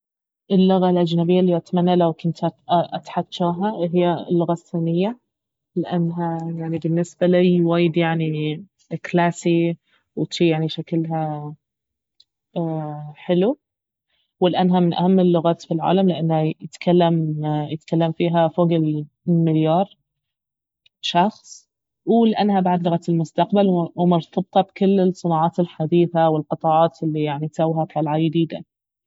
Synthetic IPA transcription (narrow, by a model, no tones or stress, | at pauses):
ʔɪlːʊɣalʔad͡ʒnabɪjːalːiːʔat̪manːalawkʊnt̪ʔat̪ħat̪ːʃaːɦaɦɪjːalːʊɣaθːanɪjːa | lɪʔanːɦajaʕnibɪnːɪsbalijwaːjɪd̪jaʕni | klaːsi | wɪʃiːjaʕniʃaklɦa | ħɪlu | wɪlʔanːɦamɪnʔa̰hamːɪlːʊɣaːt̪filʕa̰ːlamlɪʔanːhajɪt̪kʰalːamjɪt̪kalːamfiːɦafoːɡɪl | mɪljɑːɾˤ | ʃɑxsˤ | wlʔanːhabaʕd̪lʊɣat̪ɪlmʊst̪aqbalwwmʊɾt̪ʰɑb̚t̪ˤɑbkʊlːɪsˤɨnɑːʕɑːt̪ɪlħad̪iːθawɪlqɨt̪ˤɑʕɑːt̪ɪlːijaʕnit̪sawːhat̪ˤɑlʕajɪd̪iːd̪a̰